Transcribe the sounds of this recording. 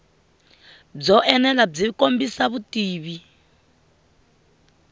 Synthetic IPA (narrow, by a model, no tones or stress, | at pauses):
b͡ʐɔʔɛnɛlab͡ʐikombisaβutiːβi